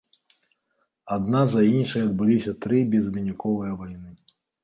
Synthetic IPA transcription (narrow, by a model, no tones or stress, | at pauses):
ad̪nazɐinʂɐjɐd̪̚bɨlʲisʲɐt̪ɾɨbʲɛzvʲinʲikɔvɨjɐvajnɨ